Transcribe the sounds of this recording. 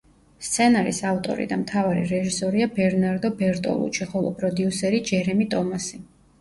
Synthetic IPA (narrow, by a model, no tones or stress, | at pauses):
st̪sʰɛnaɾḭsaft̪ʼɔ̰ɾḭd̪amt̪ʰavaɾḭɾɛʒisɔɾiabɛɾnaɾd̪ɔbɛɾt̪ʼɔ̰lˠṵt͡ʃʰiχɔlˠɔ̰pʼɾɔd̪iusɛɾid͡ʒɛɾɛmit̪ʼɔmasi